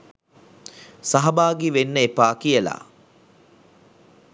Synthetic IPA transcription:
saɦɐbaːɡiʋenːəepaːkijəla̰

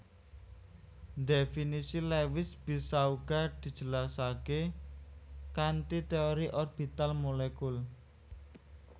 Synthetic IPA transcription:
definisilewɪsb̥i̤sauɡ̥a̤d̪̥i̤̥d͡ʒ̥ə̤lasake | kant̪it̪eoɾiʔɔrb̥it̪almolekul

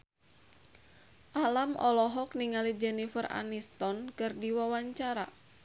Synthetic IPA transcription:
ʔalamʔɔ̰lɔɦɔkniŋalid͡ʒɛnifəra̰nist̪ɔnkɨrdiwawaɲt͡ʃaɾa

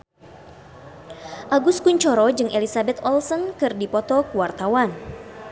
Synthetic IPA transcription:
ʔaɡʊskuɲt͡ʃɔɾɔd͡ʒɨŋʔelisabɛt̪ɔlsənkɨrdipɔt̪ɔkuwart̪awan

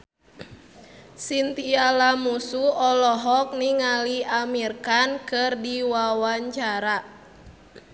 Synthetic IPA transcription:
sint̪ialamusuɔlɔɦɔk̚niŋaliamirkankɨrdiwawaɲt͡ʃaɾa

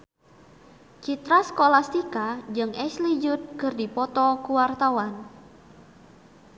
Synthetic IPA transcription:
t͡ʃit̪ɾaskolast̪ikad͡ʒɨŋʔɛslid͡ʒʊt̪̚kɨrdipɔt̪ɔkuwart̪awan

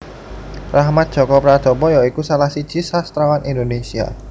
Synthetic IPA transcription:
rahmat̪̚dʒ̥okɔpɾad̪̥o̤bɔjɔikusalasi̥t͡ʃishast̪ɾawanʔindonesia̰

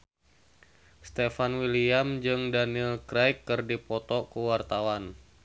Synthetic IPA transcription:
st̪efanwiliamd͡ʒɨŋdanilkɾajkːɨrdipɔt̪ɔkəwart̪awan

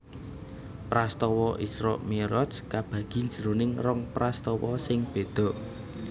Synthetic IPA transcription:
pɾast̪ɔwɔʔisɾɔ̰ʔmeɾɔskab̥ä̤ɡ̥i̤nd͡ʒɾonɪŋrɔŋpɾast̪ɔwɔsɪŋb̥e̤d̪̥ɔ̤ʔ

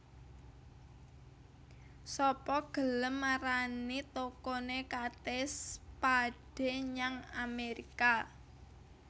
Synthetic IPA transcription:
sɔpɔɡ̥ə̤ləmːaɾanit̪okonekat̪espaɖ̥e̤ɲaŋameɾika

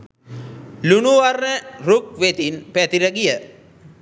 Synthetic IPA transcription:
lunuʋarnəruk̚ʋet̪inpæt̪iɾəɡijə

